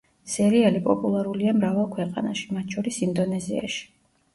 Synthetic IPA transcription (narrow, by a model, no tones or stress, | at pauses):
sɛɾiɛlipʼɔpʼulˠaɾuliamɾavalˠkʰwɛqʼa̰naʃi̥mat̪ʰʃʰɔɾisind̪ɔnɛzia̰ʃi̥